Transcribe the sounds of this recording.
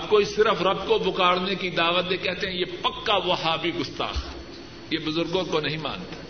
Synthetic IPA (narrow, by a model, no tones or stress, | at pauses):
ɐbkoisɪɾəfɾɐbkobʊkaːɽnekid̪aːʋət̪̚d̪ekɛɦt̪eɦɛ̃jeːpɐkːaʋɐɦaːbʱiɡʊst̪a̰ːx | jebʊzʊɾɡõkonɐɦĩma̰ːnt̪ḁ